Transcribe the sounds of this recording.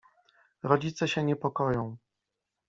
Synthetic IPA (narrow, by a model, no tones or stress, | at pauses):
ɾɔd͡ʑit̪sɛɕɛɲɛpɔkɔjɔ̃w̃